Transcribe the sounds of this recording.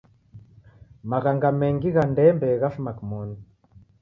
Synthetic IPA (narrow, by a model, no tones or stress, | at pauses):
maɣaŋɡamɛŋɡiɣandɛmbɛɣafmakmɔnd